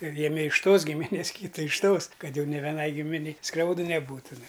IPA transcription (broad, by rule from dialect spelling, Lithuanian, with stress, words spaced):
ˈjæːmʲɪ ɪʃ ˈtoːs ɡʲɪmʲɪˈnʲeːs ˈkʲiːtɐ ɪʃ ˈtoːs ˈkɐt ˈjɛʊ nʲɪ ʋʲɛˈnɐɪ ˈɡʲɪmʲɪnʲɛɪ ˈskrʲɛʊdɨ ˈnʲæːˈbuːtʊ nʊ